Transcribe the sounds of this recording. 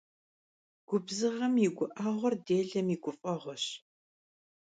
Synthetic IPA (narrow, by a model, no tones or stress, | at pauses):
ɡ̥ʷʊbzɨʁɐmiɡʷʊʔaːʁʷɔrdeːɮɐmiːɡʷʊfʼɐʁʷɔɕ